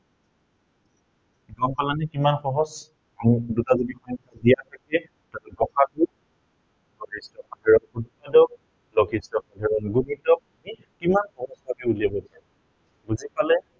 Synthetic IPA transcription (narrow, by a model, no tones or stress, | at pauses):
ɡɔŋkalanɛkimanxɔɦɔs | amdutazodixɔnkʰadijapʰakɛ | talɡɔxʰadu | lɔkʰistɔxadʱɛɹɔnɡudikadɔk̚ | lɔkʰistɔxadʱɛɹɔnɡubidɔk̚ | i | kimanxɔɦɔsbʱabɛuliabɔta | ɡuzipalɛ